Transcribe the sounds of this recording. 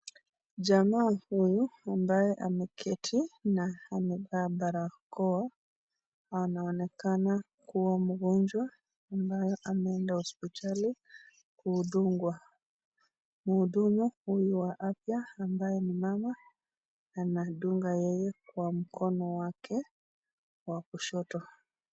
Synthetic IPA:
d͡ʒamaːhujuambajɛʔamɛkʰɛtʰinahanibabaɾakɔwa | anaɔnɛkana | kuwamuɡɔɲd͡ʒwaː | mbajɔʔamɛɛndahɔspitʰali | kuːɗuŋɡwa | muːɗumuhujuwaʔafjaːmbajɛnimamaː | naɗuŋɡajɛjɛkwam̩kʰɔnɔwakʰɛ | wakuʃɔtɔ

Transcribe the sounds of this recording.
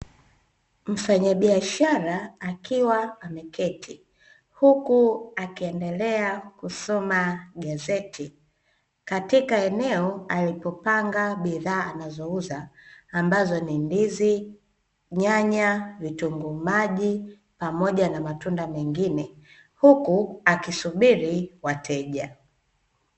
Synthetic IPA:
m̩faɲaɓiaʃaɾaːkiwaamɛkɛtʰi | hukuakiɛndɛlɛakusɔmaɠazɛtʰi | katikaɛnɛɔalipɔpaŋɡaɓiðaːnazɔuzaːmbazɔnindizi | ɲaɲavituŋɡumaʄi | pamɔʄanamatundamɛŋɡinɛ | hukuakisuɓiɾiwatʰɛʄa

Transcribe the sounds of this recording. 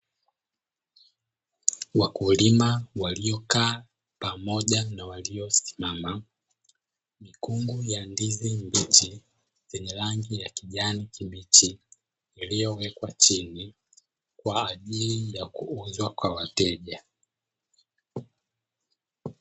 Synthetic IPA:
wakulimawalijɔkaː | pamɔʄanawaliɔsi̥mama | mikuŋɡujandizimbit͡ʃi | zɛɲɛlaŋɡijakiʄanikimit͡ʃiː | lijɔwɛkwat͡ʃini | kwaːʄilijakuuzwakwawatɛʄa

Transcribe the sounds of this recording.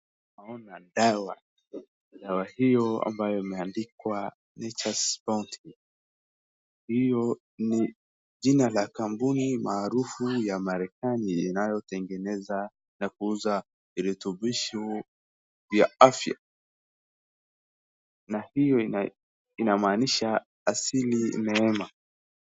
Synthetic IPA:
naɔnadawa | dawahijɔa̰mbajɔimɛandikwa | nɛt͡ʃaspauntʰi | hijɔ | ni | ʄinalakambunimaːɾufujamaɾɛkaniːnajɔtɛŋɡɛnɛza | nakuuza | iɾɛtubiʃɔ | vjaafja̰ | nahijɔi | inamaːniʃa | asilinɛɛma

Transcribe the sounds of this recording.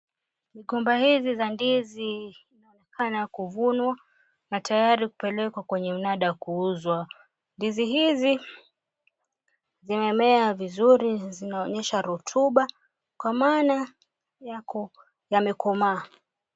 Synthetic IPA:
miɠɔmbahizizandiziː | naɔnɛkʰanakuvunwa | natajaɾiku̥pɛlɛkwakwɛɲɛm̩naɗakuuzwa | ndiziɦizi | zimɛmɛavizuɾizinaɔɲɛʃaɾutʰuɓa | kwamaːna | jakʰɔ | jamɛkɔmaː

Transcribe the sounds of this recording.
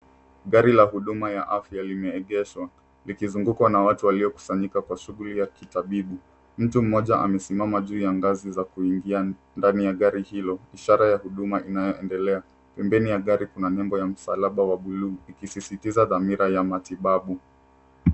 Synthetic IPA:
ɠaɾilahuɗumajaʔafjalimɛːɠɛʃwa | likizuŋɡukwanawatuwaliɔku̥saɲikakwaʃuɣulijakitaɓiɓu | m̩tum̩mɔʄaʔa̰mɛsimamaʄuːjaŋɡazizakuiŋɡia | ndanijaɠaɾihilɔiʃaɾajahuɗumaʔinajɔɛndɛlɛa | pɛmbɛnijaɠaɾikunanɛmbɔjam̩salaɓawaɓuluːikisisitizaðamiɾajamatiɓaɓu

